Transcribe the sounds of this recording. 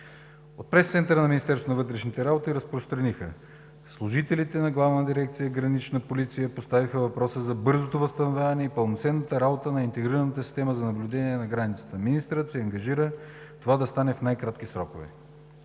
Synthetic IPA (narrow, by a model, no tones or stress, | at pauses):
ot̪̚pɾɛst̪sɛnt̪əɾənɐminist̪ɛɾsonɐvɤt̪ɾɛʃnit̪ɛɾabot̪iɾəspɾost̪ɾɐnixə̰ | slˠʊʒit̪ɛlit̪ɛnɐɡlˠavnəd̪iɾɛkt̪sijəɡɾɐnit͡ʃnəpolit̪sijəpost̪avixəvɐpɾɔsəzɐbɤɾzot̪ovəst̪ɐnovʲjavɐnɛipəlˠnot̪sɛnːət̪əɾabot̪ənɐint̪ɛɡɾiɾənət̪əsi̥st̪ɛməzɐnɐblʲud̪ɛniɛnɐɡɾanʲit̪sə̥t̪əminist̪ɾət̪siɐŋɡɐʒiɾət̪ovad̪ɐst̪anɛfnajkɾat̪k̟isɾɔkovɛ̰